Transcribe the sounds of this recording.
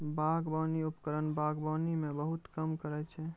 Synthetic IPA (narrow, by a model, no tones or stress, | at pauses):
baɡbɔniupəkəɾənbaɡbanimẽbəɦut̪kəmkəɾɛt͡ʃʰɛ